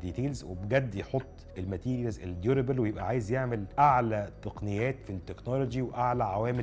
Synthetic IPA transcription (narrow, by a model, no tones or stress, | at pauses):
d̪iːt̪eːlzwḛbɡæd̪ːjeħot̪ˤːʔelmæt̪iːɾjælzeld̪juɾebælwejebʔæʕaːjezjeʕmelʔaʕlæt̪eqnɪjæːt̪fit̪ːeknolod͡ʒiweʔaʕlæʕawæːme